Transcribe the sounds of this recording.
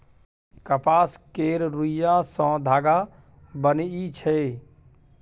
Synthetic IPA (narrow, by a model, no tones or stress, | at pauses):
kəpaːskeɾɾujãsɔ̃d̪ʱaːɡa | bənit͡ʃʰɛ